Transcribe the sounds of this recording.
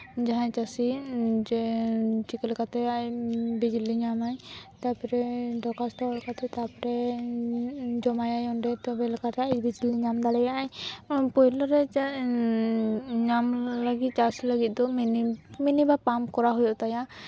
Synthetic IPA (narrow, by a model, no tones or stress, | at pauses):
d͡ʒaɦãt͡ʃasid͡ʒɛt͡ʃikɛlkat̪ɛajbid͡ʒiliɲamaɲt̪apɔɾɛɖɔkast̪ɔalkat̪ɛt̪apɔɾɛ | d͡ʒɔmajajɔnɖɛt̪ɔbɛlɛkat̪ɛabid͡ʒiliɲamd̪alɛjaʔaɲpɔjlɔɾɛ | ɲamləɡit̪̚t͡ʃasilaɡit̪̚ˀd̪ɔminiminibapamkɔɾaɦujɔʔt̪aja